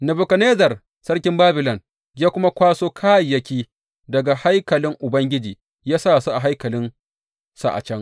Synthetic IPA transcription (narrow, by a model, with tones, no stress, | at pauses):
nɐ˨bʊ˨kɐ˨neː˦zɐ˨r | sɐ˦rkʲɪ˦mbaː˦bɪ˨lɔ˨n | jaː˦kʷʊ˦ma˦kʷaː˦soː˦kʰaː˦jjɐ˦kʲiː˦ | dɐ˨ɡa˨ha˦jkɐ˨lɪ˦ŋʔʊ˨bɐ˦ŋɡʲɪ˦d͡ʒiː˨ | jaː˦saː˦˨su˦ʔa˨ɦa˦jkɐ˨lɪ˦n | sa˦˨ʔa̰˨t͡ʃɛ˦ŋ